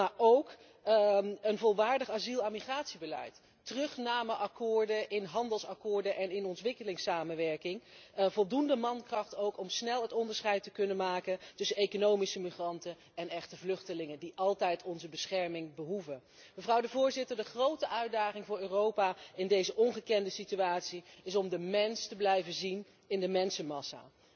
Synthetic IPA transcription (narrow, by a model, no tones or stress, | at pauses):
maːɹʔowk | ənvɔlˠʋaːɹdəχaːzilˠamiχraːtsibəlɛ̰jt | tərɵχnaːməʔɑkʊːɹdəʔɪnɦɑndəlˠsɑkʊːɹdənʔɛnɪnɔntʋɪkəlɪŋsaːmənʋɛɹkɪŋvɔlˠdundəmɑnkrɑχtowkɔmsnɛlˠɦətɔndəɹsχɛjtəkɵnənmaːkəntɵsənejkonowmisəmiχrɑntən | ɛnɛχtəvlɵχtəlɪŋəndiʔɑlˠtɛjtɔnzəbəsχɛɹmɪŋbəɦuvə | məvrɑwdəvʊːɹzɪtəɹdəχrowtəʔœɥdaːχɪŋvʊːɹøːrowpaɪndejzəʔɔnχəkɛndəsityaːtsiɪsɔmdəmɛnstəblɛjvəzin | ɪndəmɛnsəmɑsa̰ː